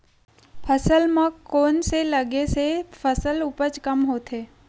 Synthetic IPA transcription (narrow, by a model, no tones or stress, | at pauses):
pʰəsəlmãkoːnseləɡesepʰəsəlʊpət͡ʃkəmɦoːt̪ʰɦeː